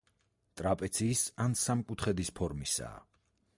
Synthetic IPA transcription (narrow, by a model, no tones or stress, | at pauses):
t̪ʼɾapʼɛt̪sʰiːsansamkʼut̪ʰχɛd̪ispʰɔɾmisa̰ː